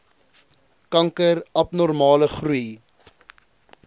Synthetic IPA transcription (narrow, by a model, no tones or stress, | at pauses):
kɐŋkəɾɐpnɔrmɑːləχruj